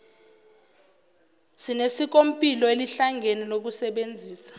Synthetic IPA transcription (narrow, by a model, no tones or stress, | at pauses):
sinesik̬ʼom̩pʼilɔeliɬaŋɡʱeninok̬usɛɓend͡zʱiːsḁ